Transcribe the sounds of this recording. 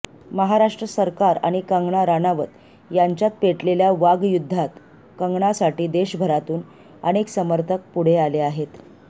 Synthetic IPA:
məɦaɾaʂʈɾəsəɾkaɾa̰ɽ̃ikəŋɡɳaɾanaʋət̪ | jaɲt͡ɕjat̪̚peʈleljaʋaɡjud̪ʱːat̪ | kəŋɡɳasaʈiːd̪eɕbʱəɾat̪uːn | əñeksəməɾt̪ʰək̚puɽ̤ealeaɦet̪

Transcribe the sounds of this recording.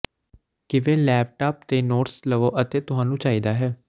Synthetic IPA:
kɪʋẽːlɛːp̚ʈaːp̚t̪eːnoːʈsləʋoːʔət̪eːt̪ʊɦãːnũːt͡ʃaːiːd̪aːɦɛː

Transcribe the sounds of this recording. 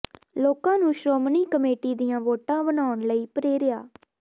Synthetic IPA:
loːkãːnũːʃɾoːmniːkəmeːʈiːd̪ijãːʋoːʈãːbənaːʊɳləiːpəɾeːɾɪjaː

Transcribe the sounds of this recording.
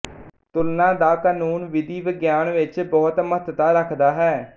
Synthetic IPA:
t̪ʊlnãːd̪aːkaːnuːnʋɪd̪iːʋəɡjaːnʋɪt͡ʃbɔːt̪mət̪t̪aːɾəkʰd̪aːɦɛː

